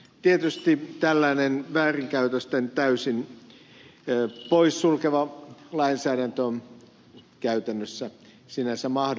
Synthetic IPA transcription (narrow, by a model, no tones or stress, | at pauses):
t̪iet̪yst̪it̪ælːæːnenʋæːriŋkæyt̪øst̪ent̪æysin | poissulkeʋɑlɑinsæːɾænt̪ø | kæyt̪ænːøsːæ | sinæsemɑh